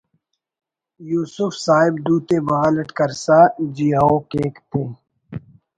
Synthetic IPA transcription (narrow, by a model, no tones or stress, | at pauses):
juːsufsaːɪbd̪uːt̪eːbɐɣaːləʈkɐɾsad͡ʒiːaːokeːkt̪ʰeː